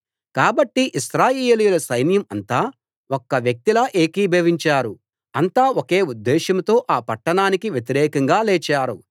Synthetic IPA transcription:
kaːbɐʈːiʔiʃɾaːjeːjlijulɐsɐjnjɐmɐnt̪aː | okːɐʋjɐk̚t̪ilɐːʔeːkiːbʱeːʋiɲt͡ʃaːɾu | ɐnt̪aːoke̞ːud̪ːɛːʃɐmt̪o̞ːʔaːpɐʈːɐɳaːnikiʋjet̪iɾɛːkɐŋɡaːleːt͡ʃaːɾṵ

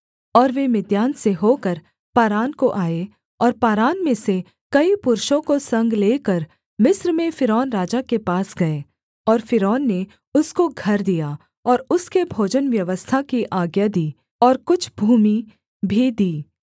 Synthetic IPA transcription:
ɔːɾʋemɪd̪jaːnseɦoːkəɾ | paːɾaːnkoʔaːe | ɔːɾpaːɾaːnmẽse | kɐipʊɾʃõkosɐ̃ŋɡleːkəɾ | mɪsɾmẽfɪɾɔːnɾaːd͡ʒakepaːsɡɐeː | ɔːɾfɪɾɔːnːe | ʊskoɡʱɐɾd̪ija | ɔːɾʊskebʱoːd͡ʒənʋjɐʋəst̪ʰakiʔaːɡjad̪iː | ɔːɾkʊt͡ʃʰbʱuːmi | bʱid̪iː

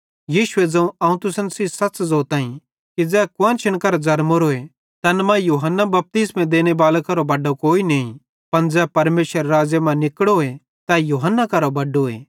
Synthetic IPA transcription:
jiːʃʊed͡zɛ̃ũɐ̃ːũt̪ʊsənsisɐt͡ʃzoːt̪ãːĩ | kid͡zɛːkʊãnt͡ʃʰɐɽ̃kɐɾod͡zɐɾmoɾoe | t̪ɐnmãjuːɦənːabɐp̚t̪iːsmɛ̃d̪eːɽ̃ebaːlekɐɾobɐɖokoːineːĩ | pɐnd͡zɛːpɐɾmeːʃəɾːaːd͡ʒjemãnɪkɽoe | t̪ɛjuːɦənːakɐɾobɐɖoḛː

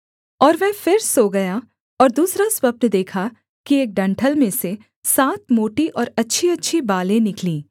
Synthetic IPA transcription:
ɔːɾʋɛ̃ɦfɪɾsoɡɐja | ɔːɾd̪uːsɾaswəb̚nd̪eːkʰa | kieːk̚ɖɐ̃ɳʈʰəlmẽse | saːt̪̚moːʈiʔɔːɾɐtːʃʰiɐtːʃʰibaːlẽnɪklĩː

